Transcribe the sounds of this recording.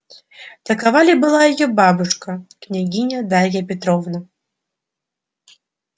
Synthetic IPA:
t̪ɐkavalʲibɨlˠajɐjɔbabɨʂkɐknʲaɡʲinʲɐd̪alʲjɐpʲɛt̪ɾɔvnɐ

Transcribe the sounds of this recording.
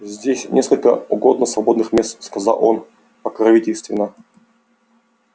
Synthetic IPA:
zʲdʲesʲnʲʔeskəlʲkəʊɡod̪nəsvɐbo̞d̪nɨxmʲest̪skɐzɑ̰lˠʔon | pəkɾɐvʲitʲɪlʲst̪vʲɪnːə

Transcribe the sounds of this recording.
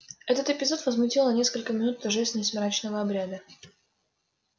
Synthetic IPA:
ɛt̪ət̪ɪpʲɪzo̞t̪vəzmʊtʲilˠnənʲe̞skəlʲkəmʲɪnut̪ːɐʐɛsʲnʲəsmʲɪɾat͡ɕnəvəɐbɾʲad̪ə

